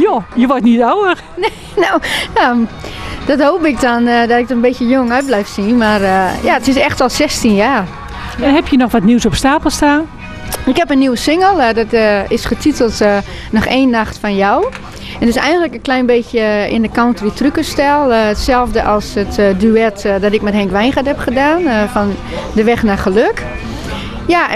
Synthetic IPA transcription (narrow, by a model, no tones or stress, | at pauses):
jojəʋɔtnitawəx | ne | nowja | d̥ɔthoːpɪk̚dɔndɔtɪk̚ətənbesjəjoŋœɥt̚blɛjfsinmarəjaətɪsɛxtɔlˠsɛstinjaːr | ɛnhɛpjənɔxʋɔtniwsɔpstaːpəl̩ˠstaːn | ɪkhɛpənːiwəsɪŋəlˠdɔtɪsχətʰitəlˠt | nɔxeːnːaxtfɔnjɔw | ɛntɪsɛjɣəndləkənklɛjnbeːsjəɪ̰ndəkɔntritrykəstɛlˠətsɛlˠvdəʔɔlˠsətdyɛtdɔtɪk̚mɛthɛŋkʋɛjnxathɛpχədaːnfɔn | dəʋɛxnaxəløk | ja